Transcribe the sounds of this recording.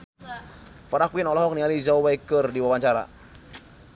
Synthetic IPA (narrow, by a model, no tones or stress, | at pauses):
faɾakwinɔlɔɦɔk̚nializawwajkərdiwawaɲt͡ʃaɾa̰